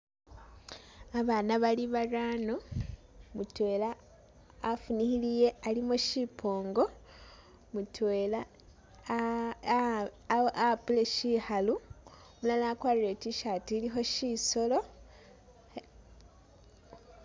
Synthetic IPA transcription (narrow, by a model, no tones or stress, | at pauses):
aβaːnaβaliβarano | mutwe̞ːlaː | funihilije̞alimoʃipʰo̞ːŋɡo̞ | mutweːla | oʔapule̞ʃihalu | mulanakwaːɾiɾetiʃatiːlixo̞ʃiso̞lo̞